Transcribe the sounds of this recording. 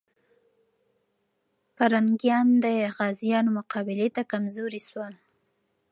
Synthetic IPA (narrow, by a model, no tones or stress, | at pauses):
paɾaŋɡjɑnd̪əɣɑzijɑnomʊqɑbɪlet̪akamzoɾiswal